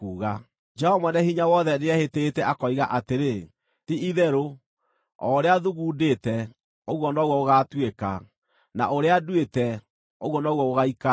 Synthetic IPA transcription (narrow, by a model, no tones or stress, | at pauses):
kuːɣa | d͡ʒɛhɔmɔnɛhiɲawɔðɛneɛheteetɛʔakɔiɣaʔateɾe | tiiðɛɾo | ɔɾeaðuɣuːdetɛ | oɣwɔnɔɣwɔoɣatweka̰ | na̰ʔoɾeadwetɛ | oɣwɔnɔɣwɔoɣaika